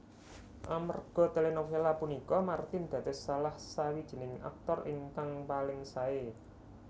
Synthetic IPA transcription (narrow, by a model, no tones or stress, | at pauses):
ʔamə̰rɡ̥ɔ̤t̪əlenofelapunikɔmart̪ɪnd̪̥ä̤t̪ɪsalahsawid̥ʒ̥i̤nɪŋa̰k̚t̪ɔrɪŋkaŋpalɪŋsae